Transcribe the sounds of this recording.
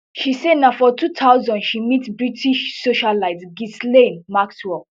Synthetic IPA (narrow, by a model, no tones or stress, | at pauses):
ʃisednafɔtʰutʰaʊzɔ̃ndʃimitbɹitʰiʃsoʃalaɪdsɡislẽnmakswɛ